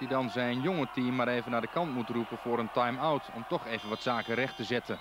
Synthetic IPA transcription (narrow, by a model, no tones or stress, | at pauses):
d̥idɑnzɛjənjɔŋətimːaːɾeːvənaːdəkɑntmutrupənfʊːɾəntajmawtɔ̰mtɔxeːvənʋɑtsaːkərɛxtəzɛtən